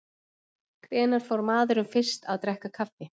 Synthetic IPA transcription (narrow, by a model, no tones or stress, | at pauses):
kʰɾɛːnaɾ̥fɔwɾmaːðʏɾʏmfɪr̥st̪aðt̪ɾɛhkakʰafːɪ